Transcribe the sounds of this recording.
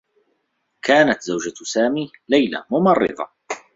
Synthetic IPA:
kaːnat̪zawd͡ʒasaːmiːlajla̰mʊmɑrˤːɨ̰ðˤɑ̰

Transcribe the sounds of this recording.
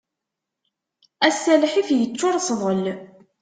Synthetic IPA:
æsːælħifjət͡sːʊɾˤsˤðˤəl

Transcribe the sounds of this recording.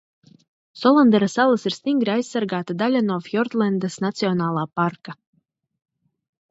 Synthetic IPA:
sɔlˠand̪ɛɾasalˠasiɾ̥st̪iŋɡɾiajsːaɾɡaːt̪ad̪alʲanɔfjɔɾt̪lˠɛnd̪asnat̪siɔnaːlˠaːpaɾka

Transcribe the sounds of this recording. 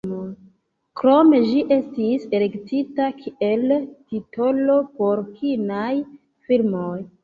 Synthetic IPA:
mo | kɾo̞me̞ʒiʔe̞stise̞le̞ktitakʰieltitʰo̞lo̞po̞ɾkʰinaj | filmoj

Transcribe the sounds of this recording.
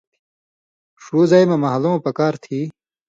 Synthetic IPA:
ʂuːzajmɐmɐɦɐlõːpɐkaːɾt̪ʰiː

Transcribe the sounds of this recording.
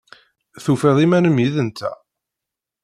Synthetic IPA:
θufɛðˤimænəmjiðənt̪ʰæ̰

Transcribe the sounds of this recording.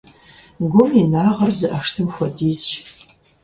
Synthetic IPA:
ɡʷʊminaːʁɐrzɨʔɐʂtʰɨmxʷɐdiːzʃ

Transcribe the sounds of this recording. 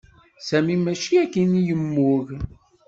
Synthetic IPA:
sæmimæʃiækːinijəmːʊʝ

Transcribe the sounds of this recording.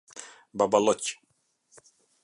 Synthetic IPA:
babalɔt͡ɕʲi̥

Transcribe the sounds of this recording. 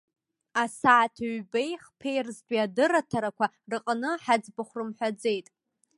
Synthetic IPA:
asaːtʰaɥbe̞jχpʰe̞jrzdʷʼiadɨratʰaɾakʷa | rɨqʼnɨħad͡zbaχʷrɨmħʷᶣad͡ze̞jtʼ

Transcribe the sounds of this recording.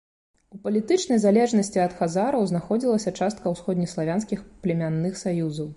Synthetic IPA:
upɐlʲit̪ɨt͡ʂnɐjzalʲɛʐnɐsʲt͡sʲiɐt̪xazaɾɐwznaxɔd͡zʲilˠɐsʲɐt͡ʂast̪̚kɐwsxɔd̪ʲnʲislˠavʲanskʲixplʲɛmʲanːɨxsajuzɐw

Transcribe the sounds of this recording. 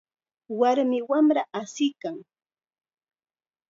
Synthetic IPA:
waɾmɪwamɾaʔasɪkaŋ

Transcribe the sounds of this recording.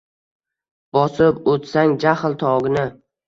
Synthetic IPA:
b̥ɒsɪpot̪saŋd͡ʒahlt̪ʰɒɡʲɪnɪ

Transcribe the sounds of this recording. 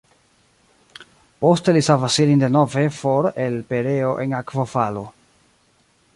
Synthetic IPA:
po̞ste̞lisavasilindeno̞ve̞fo̞ɾelpe̞ɾe̞o̞ʔe̞nakvofalo

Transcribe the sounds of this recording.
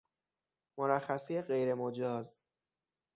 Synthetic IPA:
moɾæxːæsijeɢe̞jɾe̞mod͡ʒɒːz

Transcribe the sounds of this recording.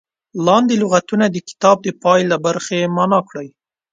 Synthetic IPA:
lɑnd̪elʊɣat̪unad̪əkɪ̥t̪ɑb̚d̪əpɑjlabaɾxemɑnɑkɽəj

